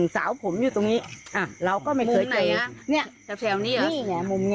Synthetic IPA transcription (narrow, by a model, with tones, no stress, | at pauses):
ŋsa̰ː˩˦wpʰo˩˦mjuː˧˩t̪o˧ŋniː˦˥ʔaː˨˩ɾa˧wkɔː˥˩ma˥˩jkɯː˨˩˦əɤː˧ni˥˩ɐ˧ɛ˧ni˧˥˧niː˧˥˩nɛ˧˩mu˧mɲ˧